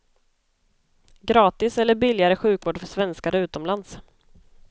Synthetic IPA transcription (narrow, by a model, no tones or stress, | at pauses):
ɡɾɑːt̪ɪsɛlːəɾbɪlːɪaɾəɧʉ̟ːkvoːɖfœʂvɛnskaɾəʉ̟ːt̪ɔmland̪s